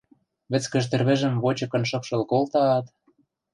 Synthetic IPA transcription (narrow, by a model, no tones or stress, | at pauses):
βɘ̆t͡skə̆ʃt̪ĕrβĕʒə̆mβot͡ɕɤ̆kɤ̆nʃɤ̆pʃɤ̆lkolt̪ɑːt̪